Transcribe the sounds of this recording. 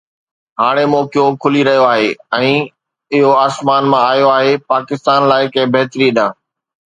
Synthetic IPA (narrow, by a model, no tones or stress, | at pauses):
ɦaːɽ̃emɔːkjokʰʊliɾɐɦijoaːɦeːɛ̃ː | ɪɦoaːsmaːnmãaːjoaːɦepaːkɪst̪aːnlaːɪkẽːbeɦt̪ɾiəɗãː